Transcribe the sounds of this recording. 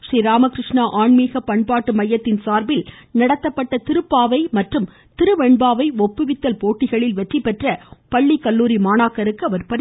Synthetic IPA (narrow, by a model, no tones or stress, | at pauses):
ʂriːɾaːmɐkɾɪʂɳaʔaːɳmiːɣɐpɐɳpaːʈːɯmɐjːɐt̪ːɪnsaːɾbɪlnɐɽɐt̪ːɐpːɐʈːɐt̪ɪɾɯpːaːʋɐɪmɐʈrɯm | t̪ɪɾɯʋɛɳbaːʋɐɪɔpːɯʋɪt̪ːɐlpoːʈːɪɣɐɭɪlʋɛʈripːɛʈrɐpɐɭːikːɐɭːuːɾimaːnaːkːɐɾɯkːɯɐʋɐɾpɐɽɪ